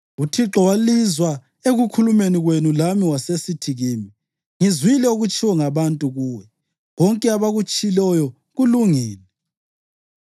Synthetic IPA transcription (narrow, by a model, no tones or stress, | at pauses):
utʰiǁɔwalizwa | eɣukʰulumeniɣwenulamiwasesitʰiɣiːmi | ŋizwilɛoɣut͡ʃʼiwɔŋaβantʼuɣuːwɛ | βɔŋkʼɛaβaɣut͡ʃʼilɔjɔ | ɣuluŋiːlɛ